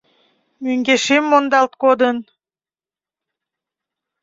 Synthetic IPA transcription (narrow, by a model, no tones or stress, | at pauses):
møŋɡeʃemːond̪ɑlˠt̪̚kod̪ən